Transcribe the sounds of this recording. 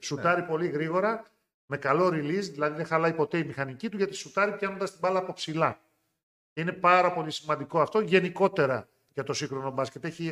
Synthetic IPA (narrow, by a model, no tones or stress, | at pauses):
sut̪ɐɾipo̞liɣɾiɣo̞ɾɐ | me̞kɐlo̞ɾilizðilɐðiðexɐlɐipo̞t̪e̞imixɐnicit̪uʝɐt̪isut̪ɐɾipj̥ɐno̞nd̪ɐst̪ibɐlɐpo̞psilɐ | ceine̞pɐɾɐpo̞lisimɐnd̪iko̞ɐft̪o̞ʝe̞niko̞t̪e̞ɾɐ | ʝɐt̪o̞siŋxɾo̞no̞bɐscet̪eçi